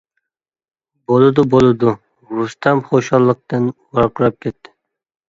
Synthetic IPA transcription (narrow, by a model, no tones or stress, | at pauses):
bolˠɨd̪ʊbolˠɨd̪ʊ | ɾust̪ʰɑmχoʃɑlˠːəq̚t̪ɨnwɑɾqʰʊɾɑp̚kʲɛt̪ʰːɪ̥